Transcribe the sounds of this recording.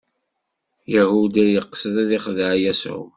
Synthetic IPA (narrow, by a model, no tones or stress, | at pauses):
jahud̪æjəqːsəðæðiχðʕjæsʊ̰